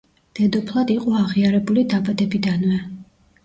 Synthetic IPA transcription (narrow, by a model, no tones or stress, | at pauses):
d̪̥ɛd̪ɔpʰlˠad̪iqʼɔaʁiaɾɛbulid̪abad̪ɛbid̪anvɛ